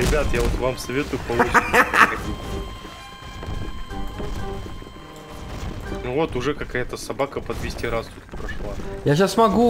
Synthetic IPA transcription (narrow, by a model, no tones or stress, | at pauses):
ɾʲɪbʲat̪javot̪vamsɐvʲet̪ʊjʊpɐlˠut͡ʃɐtʲitʲ | nʊvo̞t̪ʊʐɛkɐkajət̪əsɐbakəpəd̪vʲɪsʲtʲiɾast̪ut̪pɾɐʂlˠajaɕ̬assmɐɡu